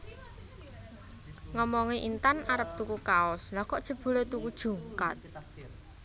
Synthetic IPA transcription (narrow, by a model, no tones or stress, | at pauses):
ŋɔmɔŋiʔint̪anaɾəp̚t̪ukukaʊslakɔʔd̥ʒ̥ə̤b̥ṳlet̪ukud̥ʒ̥ṳŋka̰t̪̚